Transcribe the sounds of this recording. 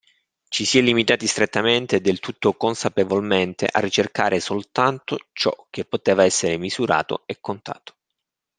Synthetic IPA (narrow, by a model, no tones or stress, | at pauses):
t͡ʃisiɛlːimit̪aːt̪ist̪ɾet̪ːament̪ed̪elt̪ut̪ːokonsapevolment̪ḛʔa̰rːit͡ʃerkaːɾʔesolt̪ant̪ot͡ʃɔ̰k̟ːepːot̪eːvaɛsːeɾemizuɾa̰ːt̪o̰ekːont̪a̰ːt̪o̥